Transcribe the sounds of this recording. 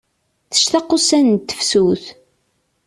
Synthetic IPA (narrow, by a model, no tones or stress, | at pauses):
θə̥ʃt̪ɑqːʊsænt̪ːə̥fsuθ